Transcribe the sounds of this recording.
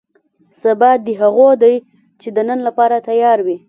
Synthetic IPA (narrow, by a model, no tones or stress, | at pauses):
sabad̪əɦaɣod̪aj | t͡ʃed̪ənənlapɑɾat̪ajɑɾwi